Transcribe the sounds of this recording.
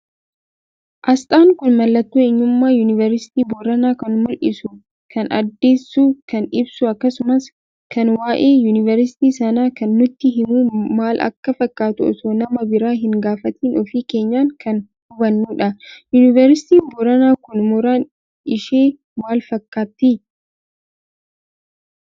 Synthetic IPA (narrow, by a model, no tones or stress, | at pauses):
ʔɐst̪ʼaːŋkʊnmɐlːɐt̪ːuːɪɲːʊmːaːjunɪvɐɾsɪ̥t̪iːbɔɾɐnaːkɐnmʊlʔɪsʊ | kʰɐnɐ̰d̪ːe̞ːsːuːkɐnɪbsʊɐkːɐsʊmɐs | kʰɐnwaːʔe̞ːjuːnɪvɐɾɪsɪ̥t̪iːsɐnaːkɐnːʊt̪ːɪɦɪmuːmaːlʔɐ̰kːɐfɐkːaːt̪ʊɔ̰sonɐmɐbɪɾaːɦɪŋɡaːfɐt̪iːnɔfiːke̞ːɲːaːŋkɐn | hʊbɐnːuːᶑɐjunɪvɛɾsɪ̥t̪iːbɔɾɐnaːkʊnmʊɾaːn | ɪʃeː | maːlfɐkːaːt̪ːi